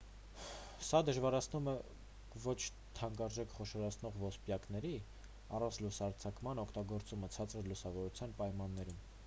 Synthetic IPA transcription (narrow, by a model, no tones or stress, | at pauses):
sɑd̪əʒvɑɾɑt͡sʰnumɛ | vɔt͡ʃʰ | t̪ʰɑŋɡɑɾʒɛkʰχɔʃɔɾɑt͡sʰnɔʁvɔspjɑkn̪ɛɾi | ɑrɑnt͡sʰlusɑɾt͡sʰɑkmɑnɔkʰt̪ɑɡɔɾt͡sumət͡sʰɑt͡səɾlusɑvɔɾut͡sʰjɑnpɑjmɑnːɛɾum